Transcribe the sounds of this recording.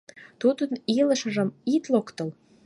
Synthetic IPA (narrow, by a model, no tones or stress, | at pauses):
t̪ud̪ənilə̆ʃə̆ʒə̆mit̪lokt̪ə̆l